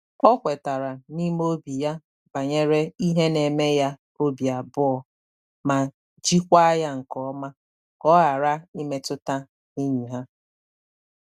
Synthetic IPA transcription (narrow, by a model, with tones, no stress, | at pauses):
ɔ˦kʷe˨ta˨ɾa˨ni˦m˦o˦bi˨ja˦ | ba˨ɲe˦ɾe˦i˦ɦe˦ne˨me˦ja˦ | o˦bja˨bʊ˦ɔ˨ | ma˨ | d͡ʒi˦kʷa˦ja˦ŋ̩˨kɔ˦ma˦ | kɔ˦ɣa˨ɾa˦i˦me˦tʊ˦ta˦ | ni˦ɲi˨ɦa˦